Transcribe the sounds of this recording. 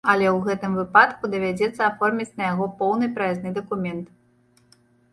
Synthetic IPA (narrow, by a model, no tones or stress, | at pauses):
ɐlʲɛwɣɛt̪ɨmvɨpat̪kud̪ɐvʲad͡zʲɛt̪sːɐafɔrmʲit͡sʲnɐjaɣɔpɔwnɨpɾɐjɛznɨd̪ɐkumʲɛnt̪